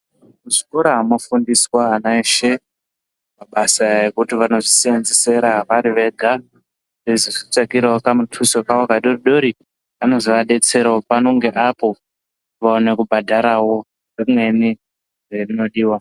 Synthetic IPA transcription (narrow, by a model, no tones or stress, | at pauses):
muʐikoɾaɦamofundiswaːnaeʃe | maɓasaekutiʋano̞ʐisienzese̞ɾaʋaɾiʋe̞ɡʱa | reziʐit͡ʂakiɾaokamutʰusokaokaɗoriɗo̞ɾi | ano̞ziʋaɗe̞t͡se̞ɾaopano̞ŋɡe̞ʔapo̞ | ʋaone̞kubʱadʱaɾawo̞ | remwe̞ni | rerino̞ɗiːwa